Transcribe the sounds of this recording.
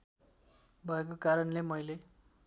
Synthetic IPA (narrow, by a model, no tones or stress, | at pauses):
bʱʌekokaɾʌnlemʌjle